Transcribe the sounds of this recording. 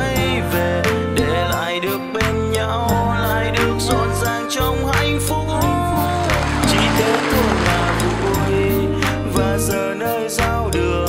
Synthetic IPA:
ə˧jve˨˩ | ɗe˧˩la̰ː˧˨jɗɨ˨˩ək̚ɓe˧nɲa˧wla̰ː˧˨jɗɨ˨˩ək̚zɔ˧˥t̚zaː˨˩ŋt͡ɕə˧wŋ͡mha˧jŋfʊ˧˥k͡p̚ŋ͡m | t͡ɕi˧˩t̪e˨˦ko˧ɲaː˨˩vṵ˧˨ | vi˧˩ | vaː˨˩zəː˨˩nəː˧jzaː˧wɗɨ˨˩ə

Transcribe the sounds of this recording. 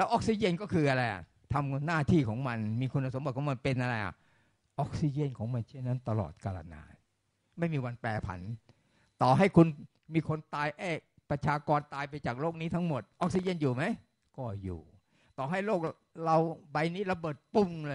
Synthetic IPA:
lɛː˦˥wʔɔː˦˥k̚si˧˨je˥˩˨nkɔː˥˩kʰɯː˧ʔa˧ɾa˧jʔa̰˨˩ | t̪ʰa˧mnaː˥˩t̪ʰiː˥˩kʰɔː˩˦ŋma˧nmiː˧kʰu˧nːa˧˩so˩˦ba˨˩t̪̚kʰɔː˩˦ma˧npe˧nʔa˧ɾa˧jʔa̰˨˩ʔ | ʔɔ˦˥k̚si˧˩t͡ɕe˧˥˩nkʰɔː˨˩˦ŋma˧nt͡ɕʰe˥˩nːa˦˥nt̪a˧lɔ̰ː˨˩t̪̚kaː˧ɾa̰˧na̰ː˧ | ma˥˩jmiː˧wa˧npɛː˨˩pʰa̰˨˩˦n | t̪ɔː˨˩ɦa˥˩jkʰu˧n | miː˧kʰo˧nt̪aː˧jʔɛː˥˩k̚ | pɾa˧t͡ɕʰaː˧kɔː˧nt̪aː˧jpa˧jt͡ɕaː˨˩k̚loː˥˩k̚niː˦˥t̪ʰa˦˥ŋmo˨˩t̪̚ʔɔ˦˥k̚si˧˩e˥˩˨njuː˨˩ma˦˥j | kɔː˥˩jṵː˨˩ | t̪ɔː˨˩ɦa˥˩jloː˥˩k̚ | ɾa˧wba˧jniː˦˥ɾa˧bɤː˨˩t̪̚pu˧˩ŋlː

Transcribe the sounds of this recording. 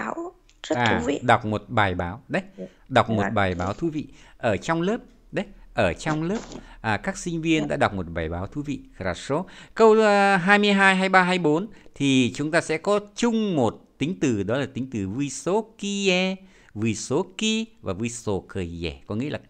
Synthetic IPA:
a˨˦w | zə˦˥ʔaː˨˧˩ḭ˧˨ɗa˨˩wk͡p̚mo˨˩t̚ɓaː˨˩jɓaː˨˦wɗə˨˦j | ɗa˨˩wk͡p̚mo˨˩t̚ɓaː˨˩jɓaː˨˦wt̪ʰu˧˦vḭ˧˨ʔəː˧˩t͡ɕɔ˧wŋ͡mləː˦˥p̚ | ɗə˨˦jʔəː˧˩t͡ɕɔ˧wŋ͡mləː˦˥p̚ʔaː˨˩kaː˦˥k̚sï˧ŋ̟vi˧ənɗa̰ː˧˥ɗa˨˩wk͡p̚mo˨˩t̚ɓaː˨˩jɓaː˨˦wt̪ʰu˧˦vḭ˧˨˩ɾaː˨˩so˨˦kə˧wɦaː˧jmɨ˧əjɦaː˧jɦaː˧jɓaː˧ɦaː˧jɓo˨˦nt̪ʰi˨˩t͡ɕʊ˨˦ŋ͡mt̪aː˧sɛ̰˧˥kɔ˨˦t͡ɕʊ˧ŋ͡mmo˨˩t̚t̪ï˨˦ŋ̟t̪ɨ˨˩ɗɔ˨˦laː˨˩t̪ï˨˦ŋ̟t̪ɨ˨˩vi˧so˨˦ki˧ɛ˧ | vu˧˩so˨˦ki˧vaː˨˩vu˧so˨˧˩kəː˨˩zɛ̰˧˩kɔ˨˦ŋḭ˧˥əlaː˨˩

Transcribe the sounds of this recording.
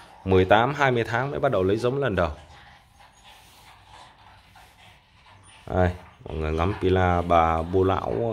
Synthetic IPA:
mɨ˨˩əjt̪aː˨˦mɦaː˧jmɨ˧əjt̪ʰaː˨˦ŋmə̰˧˥ɓa˦˥t̚ɗə˨˩wlə˨˦jzə˨˦wmlə˨˩nɗə˨˩w | ʔə˧˩jmɔ̰˧˨ŋɨ˨˩əjŋa˨˦mpi˧˩laː˧ɓaː˨˩ɓo˧la̰ː˧˥w

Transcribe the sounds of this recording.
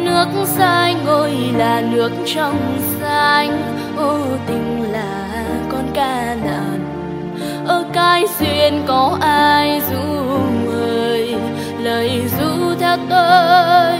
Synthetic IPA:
nɨ˨˦˥ək̚saː˧jŋŋo˧jlaː˨˩nɨ˨˦˥ək̚t͡ɕɔ˧wŋ͡msaː˧jŋ | ʔo˧t̪ï˨˦ŋ̟laː˨˩ | kɔ˧nkaː˧ | naː˨˩t̚ | ʔəː˧˩kaː˧jswi˧ənkɔ˨˦ʔaː˧jzṵ˧˥məː˨˩j | ləː˨˩jzṵ˧˥t̪ʰɛ˧wt̪o˧

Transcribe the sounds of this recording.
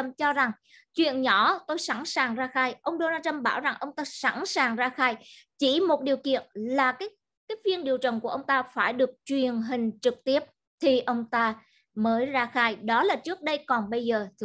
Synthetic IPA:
mt͡ɕɔ˧za˨˩ŋ | t͡ɕwḭ˧˨ənɲɔ˧˥˦t̪o˧jsa˧˩nsaː˨˩ŋzaː˧xaː˧jʔə˧wŋ͡mɗo˧naː˧t͡ɕə˧mɓaː˧˩wza˨˩ŋʔə˧wŋ͡mt̪aː˧sa̰˧˥nsaː˨˩ŋzaː˧xaː˧j | t͡ɕi˧˩mo˨˩t̚ɗi˨˩əwkḭ˧˨ənlaː˨˩kaː˨˦j | kaː˨˦jvi˧ənɗi˨˩əwt͡ɕə̰˨˩nku˧˩əʔə˧wŋ͡mt̪aː˧faː˧˩jɗɨ˨˩ək̚t͡ɕwi˨˩ənɦï˨˩ŋ̟t͡ɕɨ˨˩k̚t̪i˦˥əp̚ | t̪ʰi˨˩ʔə˧wŋ͡mt̪aː˧ | məː˨˦jzaː˧xaː˧jɗɔ˨˦laː˨˩t͡ɕɨ˦˥ək̚ɗə˧jkɔ˨˩nɓə˧jzəː˨˩t̪ʰ

